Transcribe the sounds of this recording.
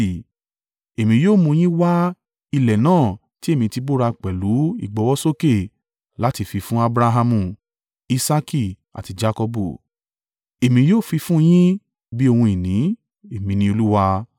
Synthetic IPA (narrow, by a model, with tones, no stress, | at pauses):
e˨mĩ˧joː˦˨mũ˧j̃ĩ˦wa˦ | i˧lɛ˨nãː˦˨ | ti˨˦e˦˨mĩ˧ti˧bo˦ɾa˧k͡pɛ˨lu˨˦ḭ˦˨ɡ͡bɔ˨˦wɔ˦so˦ke˦˨ | la˨˦ti˧fi˧fũ˦a˦bɾa˧ɦa˧mũ˦˨ | i˧sa˧ki˦˨ | a̰˨ti˧d͡ʒa˦kɔ˧bṵ˦˨ | e˨mĩ˧joː˦˨fi˧fũ˦˧j̃ĩ˦ | bi˦o˧hũ˧i˨nĩ˨˦ | e˨mĩ˧nĩ˧˦o˧lu˦wa˧